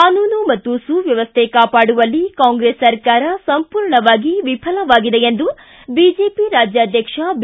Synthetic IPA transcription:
kaːnuːnumɐt̪ːusuːʋjɐʋɐst̪ʰekaːpaːɽuʋɐlːikaːŋɡɾeːsːɐɾkaːɾɐsɐmpuːɾɳɐʋaːɡiʋipʰɐlɐʋaːɡid̪ejend̪u | biːd͡ʒe̞ːpiɾaːd͡ʒjaːd̪ʱjɐkʂɐb

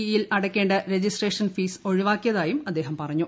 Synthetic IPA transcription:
jilʔɐɽɐkʲːe̞ːɳɖɐɾed͡ʑisʈreːʂɐnfiːso̞ɻiʋaːkːijɐðaːjumɐd̪ːe̞ːɦɐmpɐrɐɲːu

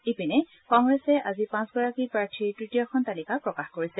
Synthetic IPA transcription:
epinɛ | kɔŋɡɹɛsɛʔazipãsɡɔɹakipɹaɹtʰiɹtɹitijɔxɔntalikapɹɔkaxkoɹisɛ

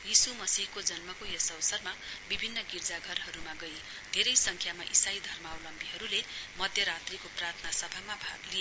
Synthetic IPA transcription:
jisumʌsiɦkod͡zʌnmʌkojosʌwsʌrmabibʱinːʌɡird͡zaɡʱʌrɦʌɾumaɡʌj | d̪ʱeɾʌjsʌŋkʰjamaʔisajd̪ʱʌrmʌʌwlʌmbiɦʌɾulemʌd̪ʱjʌɾat̪rikoprart̪ʰʌnasʌbʱamabʱaɡlije

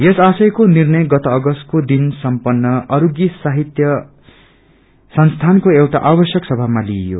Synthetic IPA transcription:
jesasʌjkonirnʌjɡʌt̪oːɡʌst̪̚kod̪insʌmpʌnːʌʔʌɾuɡjisaɦit̪jʌ | sʌnst̪ʰankoewʈa̰ʔabʌsjʌksʌbʱamaliejo̰

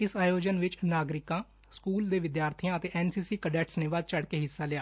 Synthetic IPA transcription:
ɪsaːjoːd͡ʒənʋɪt͡ʃnaːɡɾɪkãː | skuːld̪eːʋɪd̪jaːɾt̪ʰiãːət̪eːʔɛːnsiːsiːkəɖɛːʈsneːʋaːd̪̚t͡ʃəɽkeːɦɪsːaːlɪjaː

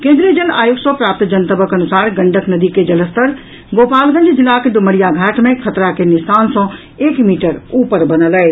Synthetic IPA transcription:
kẽːnd̪ɾijəd͡ʒɐlaːjuksəpɾaːp̚t̪d͡ʒɐnt̪əbəkɐnʊsaːɾɡɐ̃ɳɖʱəknɐd̪iked͡ʒɐləst̪əɾ | ɡoːpaːlɡə̃ɲd͡ʒd͡ʒɪlːaked̪ʊməɽijaɡʱɛːʈmẽkʰɐt̪ɾakenɪsaːnsɔ̃ | eːkmiːʈəɾuːpəɾbɐnələe

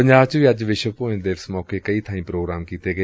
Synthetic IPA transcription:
pəɲd͡ʒaːbt͡ʃʋiːɐd͡ʒʋɪʃəpoːɪ̃nd̪eːʋsmɔːkekəiːt̪ʰaːĩːpɾoːɡɾaːmkiːt̪eɡə

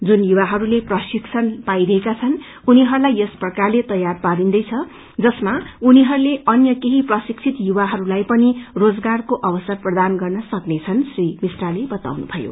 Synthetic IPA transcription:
d͡zunjuwaɦʌɾuleprʌsiksʰʌnpajɾʌɦekat͡sʰʌn | uniɦʌɾulajʌsprʌkarlet̪ʌjarpaɾind̪ʌjt͡sʰʌ | d͡zʌsmauniɦʌɾuleʌnjʌkeɦiprʌsikt͡sʰit̪juwaɦʌɾulajpʌnirod͡zɡarkoʔʌbʌsʌrprʌd̪anɡʌrnʌsʌknet͡sʰʌnsrimisralebʌt̪a̰wnṵbʱʌjo̰

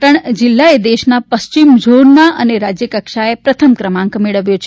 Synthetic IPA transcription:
ʈ̪əɳd͡ʒilːaed̪eʃnapəst͡ʃimd͡ʒonːaʔəneɾad͡ʒjəkəkʃaepɾət̪ʰəmkɾəmãŋkmeɭəʋjot͡ʃʰe

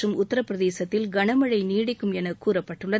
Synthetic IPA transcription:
ɯmʊt̪ːɐɾɐpːɾɐðeːsɐt̪ːɪlɡɐɳɐmɐɻɐɪniːɽɪkːɯmɛnɐkuːɾɐpːɐʈːɯɭːɐ

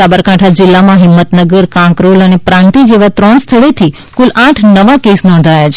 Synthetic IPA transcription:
abəɾkaʈʰad͡ʒɪlːamãɦɪmːət̪nəɡəɾkãŋkɾolənepɾãnt̪id͡ʒeʋat̪ɾɔnst̪ʰəɭet̪ʰi | kulãʈʰnəʋakesnɔ̃nd̪ʱajat͡ʃʰe

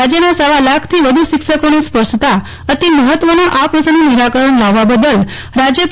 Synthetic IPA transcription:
ad͡ʒjənasaʋalakʰt̪ʰiʋəd̪ʱuʃɪkʃəkonespəɾʂt̪a | ət̪iməɦət̪ʋənaʔapʋəsənuniɾakəɾəɳlaʋːabəd̪əl | ɾad͡ʒjə

